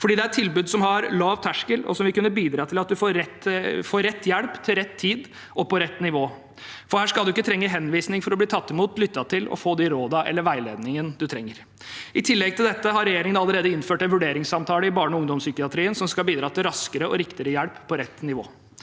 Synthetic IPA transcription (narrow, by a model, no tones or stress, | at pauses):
fɔɖiːd̪ɛæɾt̪ʰːɪlbʉːd̪sɔmhɑɾlɑːʋt̪ʰæʂkəlɔ̰sɔmʋɪkʉnːəbiːd̪ɾɑːt̪ʰɪlɑt̪̚d̪ʉfoːɾɛt̪foːɾɛt̪ːjɛlpt̪ʰɪlɾɛt̪ʰːiːd̪ | ɔpʰɔɾɛt̪ːnɪʋoː | fɔhæːʂkɑʉɪkːət̪ɾɛŋːəɦɛnʋiːsnɪŋfɔɾɔbliːt̪ʰɑt̪ːɪmuːt̪lʏt̪ːɑt̪ʰɪlɔ̰foːd̪ɛɾoːd̪ɑʔɛ̰lːəɾʋæɪlḛːd̪nɪŋənd̪ʉt̪ʰɾɛŋːəɾ | ʔɪt̪ʰɪlːɛɡ̚t̪ʰɪld̪ɛt̪ːəɦɑɾɛjeːɾɪŋənɑləɾeːd̪əɪnføːʈɛnʋʉɖeːɾɪŋsɑmt̪ʰɑːləɪbɑːɳɔʊŋd̪ɔmsʏkɪɑt̪ʰɾiːənsɔmskɑlbiːd̪ɾɑːt̪ɪlɾɑskəɾəɔ̰ɾɪkt̪ɪɾəjælppʰːɔɾɛt̪ːnɪʋo̰ː